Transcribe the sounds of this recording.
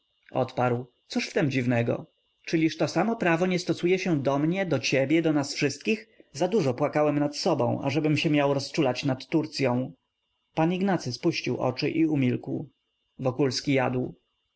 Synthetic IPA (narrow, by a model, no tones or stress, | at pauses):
ɔ̰t̪paɾwt̪suʂft̪ɛmd͡ʑivnɛɡɔ̰ | t͡ʂɘlʲiʂt̪ɔsamɔpɾavɔɲɛst̪ɔsujɛɕɛd̪ɔmɲɛd̪ɔt͡ɕebʲjɛd̪ɔnasfʂɘst̪̚kʲixzad̪uʐɔpwakawɛmnat̪sɔbɔ̰̃w̃a̰ʐɛbɘmɕɛmʲjawɾɔst͡ʂulat͡ɕnat̪ːuɾt̪sʲjɔ̃w̃ | paniɡnat̪sɘspuɕt͡ɕiwʔɔ̰t͡ʂɘ̰ʔiumʲilkw | vɔkulskʲijad̪w